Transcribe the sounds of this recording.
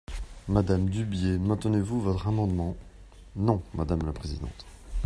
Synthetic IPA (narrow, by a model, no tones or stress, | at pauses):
mad̪amd̪ybjemɛ̃t̪nevuvɔt̪χamɑ̃d̪mɑ̃ | nɔ̃mad̪amlapχezid̪ɑ̰̃t̪